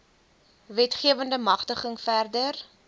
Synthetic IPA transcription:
vɛtχiəvəndəmɐχtəχəŋfærdər

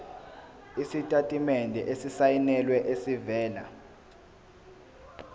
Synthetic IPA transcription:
isitʼatʼimɛndʱɛʔesisajinɛlwɛʔesivɛːla̰

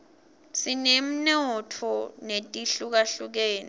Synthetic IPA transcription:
sinem̩nɔtʰɔnetʼiɬuk̬aɬuk̬ɛːni

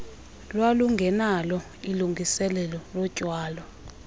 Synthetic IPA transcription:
lwaluŋɡʱɛnalɔ | iluŋɡisɛlɛlɔlɔd̥ʒ̥ʱwaːlɔ

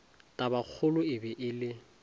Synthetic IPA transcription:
tʼabak͡xʰʊlʊɪbɛʔɪlɪ

